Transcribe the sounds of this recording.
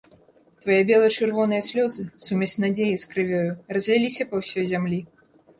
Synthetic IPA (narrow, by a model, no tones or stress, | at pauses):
t̪vajɛbʲɛlˠɐt͡ʂɨrvɔnɨjɐsʲlʲɔzɨsumʲɛsnad͡zʲejiskɾɨvʲɔjurɐzʲvʲɛlʲisʲɐpɐwsʲɔjzʲamlʲi